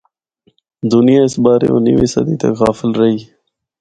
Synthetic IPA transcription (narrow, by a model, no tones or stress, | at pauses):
d̪ʊnɪjãːɪsbaːɾḛːo̰ːniʋiːsə̰d̪iːt̪ə̰kɣaːfɪlɾəɦiː